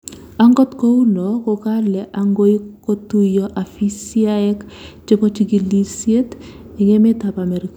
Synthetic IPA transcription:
a˦ŋɡɔ˦tko˦u˦nɔkɔ˨kalɛ˨ʔaŋɡo˦i˦ko˦tu˦jɔʔa˨fi˦siaɛ˦k | t͡ʃɪ˦kɔ˦t͡ʃiɡi˨lisje˦t | i˨ŋɛ˦mɛ˦tapamɛ˨ɾik

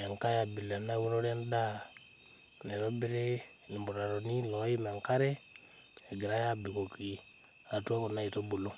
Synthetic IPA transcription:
a˨ŋka˦ja˨bi˨la˨na˦wu˦nɔ˦ɾa˦nda˦ | nɛ˨ɾɔ˦bɪ˦ɾe˦ | nɪ˨mbɔ˨ɾa˨ɾɔ˨ni˦lɔ˨˦i˦ma˨ŋka˦ɾɛ˦ | a˨ɡɪ˨ɾa˦ja˦˨bi˨ko˨ki˨˦ | a˨tu˦a˦ko˨na˦i˨to˦bo˨lo˦

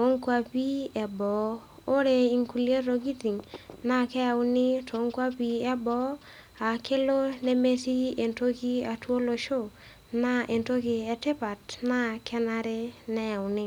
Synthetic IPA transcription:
to˦ŋkwa˨pi˦ɛ˨bɔ˨˦ | o˦ɾe˨i˨ŋku˨lje˦ɾo˨ɡi˦ti˨ŋna˦kɛ˦a˨wnɪ˦tʰo˨˦ŋkwa˦pi˨ɛ˦bɔ˨˦ | a˨ke˦lo˦ne˦me˦si˦e˨nto˦ki˦a˨two˦lo˨ʃo˦˨ | na˦ʔe˨nto˦ki˨ɛ˨tɪ˦pa˨tna˦kʰɛ˦na˦ɾe˦nɛ˦a˨ʊ˨nɪ˦

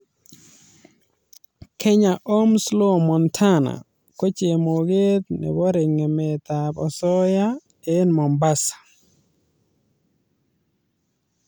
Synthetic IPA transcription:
kʰɛ˦ɲa˨ʔo˦mslo˦mɔ˨ntʰa˦na̰˨ | ko˦t͡ʃe˨mo˨ɡe˦t̪nɛ̰˨wɔ˦ɾɪ˨ŋɛ˨mɛ˨t̪a˨bɔ˨sɔ˦ja˦ | e˦nmɔ˨mba˦sḁ˨

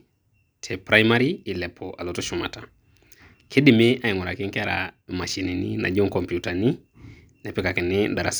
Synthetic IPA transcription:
tʰepɾajmaɾiːlɛ˨pʰɔʔa˨lo˨toʃuma̰˨ta | kʰe˦di˨me˦a˦i˨ŋɔ˨ɾa˨kɪ˦ŋke˦aɾa̰ma˨ʃi˨ni˨nḭna̰˨d͡ʒo˦ŋkɔmpjutani˦ | nɛ˨pɛka˨kɪ˨nɪ˦da˨ɾa̰˨s

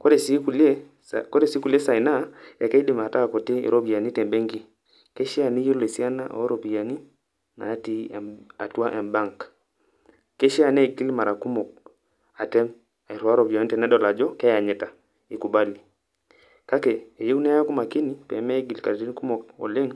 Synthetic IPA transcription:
kɔ˦ɾɛ˨si˦ku˨lɛ˦ | kɔ˦ɾɛ˦si˦ku˨li˦ɛ˦sa˨i˨na˦ja˨kɛ˦i˦ɗi˦ma˨ta˦˨kɔ˨te˦ḭ˨ɾɔ˦bi˨a˨ni˦tɛ˨mbɛ˦ŋɡi˦ | kɛ˦ʃi˦a˨ni˦ji˦lɛ˨si˦a˦na̰˦ʔɔ̰˨ɔ˦ɾɔ˨bi˨a˨ni˦ | na̰˨˦ti˦a̰˨tu˦a˦ʔɛ˨mba˦ŋk | kɛ˦ʃi˦a˨nɛ˦˨ɡi˦li˦ma˨ɾa˨ku˦mɔ˨k̚ | a˨tɛ˦m | a˨i˨ɾwa˦ɾɔ˨bi˨a˨ni˦tɛ˨nɛ˦ɗɔ˨la˨d͡ʒɔ˦kɛ˦ja˨ɲɛ˦ta˨ | i˨ku˨ba˦li˨ | ka˦kɛ˨ɛ˨ji˦u˦nɛ˦a˦a˦ku˦ma˨ki˦ni˨pɛ˨mɛ˦ɡi˨lka˨ɾɾi˦ni˦ku˦mɔ˨kɔ̰˨lɛ˦ŋ

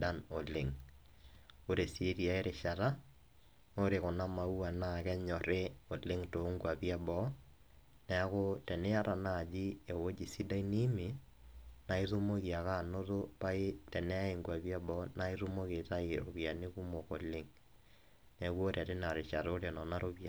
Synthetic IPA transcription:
da˦no˨le˨ŋ | o˦ɾe˨si˨e˦ɾi˨a˨e˦ɾe˨ʃa˨ɾa˦ | o˦ɾe˨kɔ˨na˦ma˨u˦a˨na˦˨kɛ˦ɲɔ˨ɾe˦o˨le˦ŋto˨˦ŋɡwa˨pja˦bɔ˦ | nɛ˨a˦ko˦tɛ˨nɛ˦a˦ɾa˨na˦˨d͡ʒi˦e˨wo˦d͡ʒi˨si˦da˦i˦ni˦mi˨ | na˨i˦ðo˦mo˦ki˨a˨ka˦˨no˦to˦pa˦i˦tɛ˨nɛ˦e˨ŋɡwa˨βja˦bɔ˦na˦i˦ɾo˦mo˦ke˨ta˦e˨o̰˨βja˨ne˦ku˦mo˨ko˨le˦ŋ | nɛ˨kwo˦ɾa˨te˦na˨ɾe˨ʃa˨ɾo˦ɾe˨nɔ˨na˦ɾo˦bja˨

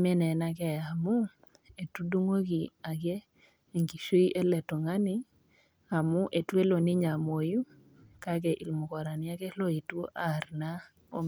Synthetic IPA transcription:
mɛ˦nɛ˨na˦kɛ˨a˨mʊ˦ | e˨tu˦du˦ŋo˦ɡi˨a˨ɡe˦ | e˨ŋɡi˨ʃo˦i˦ʔe˦lɛ˨to˨ŋa˦nɪ˦ | a˨mʊ˦ʔe˨twe˦lo˨nɪ˦ɲa˨mo˨ju˦ | ka˦kɛ˨ʔi˨lmʊ˨kɔ˨ɾa˨nɪ˦a˦kɛ˦lo˦i˨two˦ʔa˨rna˦ | o̰˦m

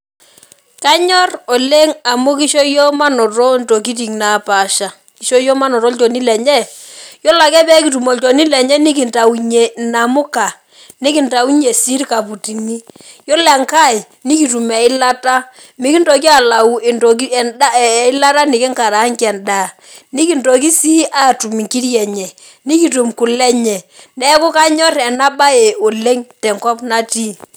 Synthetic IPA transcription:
ka˦ɲɔ˦rɔ˨le˦ŋa˨mʊ˦ki˦ʃɔ˦jɔ˦ma˦nɔ˨tɔ˦n˨to˨k̬i˦t̬i˨ŋna˨˦pa˨ʃa˨ | ki˦ʃo˦jɔ˦ma˦nɔ˨ɾɔ˦lt͡ʃo˨ni˦lɛ˨ɲɛ˦˨ | jɔ˦la˨kɛ˦pɛ˦ki˨tu˨mo˨lt͡ʃo˨ni˦lɛ˨ɲɛ˦nɪ˦k̬ɪ˨nta˨u˨ɲe˨na˨mʊ˦ka˨ | nɪ˦kɪ˨nta˨u˦ɲe˨si˦rka˨pu˨ti˨mi˦ | jɔ˦lɛ˨ŋka˦˨ɪ˨ | ni˦ki˨tu˨mɛ˨ɪ˦la˦ta˦ | mɪ˦ki˦ndɔ˨k̬i˦a˨la˨u˨ʔe˨ntɔ˨k̬i˦ɛ˨nda˦˨ɪ˦la˦ta˦nɪ˨kɪ˦ŋka˨ɾa˨˦ŋkɛ˨nda˨ | ni˦ki˨ntɔ˨k̬i˦si˦ʔa˦˨tu˨mi˨ŋki˦ɾjɛ˨ɲɛ˨ | ni˦ki˨tu˨mku˨lɛ˦ɲɛ˨ | nɛ˦kʊ˦ka˦ɲɔ˦rɛ˨na˦ba˦e˨o˨le˦ŋtɛ˨ŋkɔ˦pna˦ti˦˨

